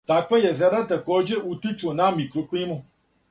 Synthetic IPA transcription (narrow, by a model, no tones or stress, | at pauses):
tak͡pɛjɛvɛɾatɛkɔd͡ʒeʔutituonãmĩkɾok͡pĩmʊ̃